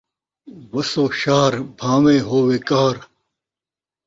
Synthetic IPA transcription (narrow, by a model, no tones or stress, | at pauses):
wɐsoːɕaːɾbʱãːmẽːɦoːweːkaːɾ